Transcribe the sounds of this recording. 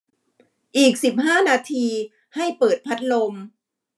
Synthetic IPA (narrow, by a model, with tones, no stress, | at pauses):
ʔiː˨˩k̚si˨˩p̚haː˥˩naː˧t̪ʰiː˧ | ha˥˩jpɤː˨˩t̪̚pʰa˦˥t̪̚lo˧m